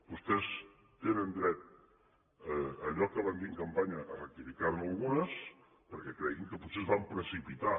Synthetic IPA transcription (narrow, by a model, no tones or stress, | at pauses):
bust̪ɛs | t̪enənd̪ɾɛt̪̚ | əəʎɔkəβand̪iŋkəmpaɲəʔərət̪ifikaɾnuəlˠɣunəs | pəɾkɛkɾɛɣiŋkəput̪sezβampɾəsipit̪a